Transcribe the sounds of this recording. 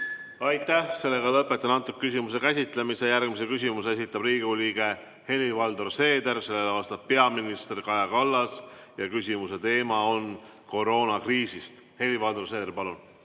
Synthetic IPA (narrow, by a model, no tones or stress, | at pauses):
ɑjt̪ˑːæhse̞lːe̞ɡɑlɤpːˑet̪ːˑɑnɑnt̪ːˑukkːysʲimus̬e̞kæsʲit̪ˑlemise̞jærɡ̥misekys̬ʲimuse̞s̬it̪ːˑɑbriːɡ̥uliːɡ̥e̞ | he̞lʲivɑld̪orse̞ːd̪e̞ɾse̞lːelɑːst̪ɑb̚pe̞ɑminist̪erkɑjɑkɑlːɑsjɑkysʲimuse̞t̪e̞ːmɑo̞n | ko̞ɾo̞ːnɑkriːsist̪ | he̞lʲːivɑld̪ors̬e̞ːd̪erpɑlun